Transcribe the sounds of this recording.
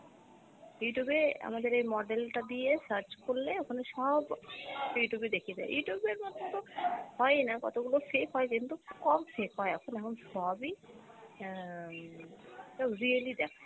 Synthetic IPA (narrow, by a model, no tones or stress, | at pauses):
juʈubea̰mad̪eɾejmɔɖelʈad̪ijesəɾt͡ɕkoɾleokʰaneʃɔbjuʈjubed̪ekʰijed̪a̰ḛjuʈjubeɾmɔt̪ːot̪ohɔenakɔ̰t̪oɡulofekɦɔekint̪ukɔmfekɦɔeɛkʰonɛkʰonsɔbi | ʃɔɾielid̪ɛkʰe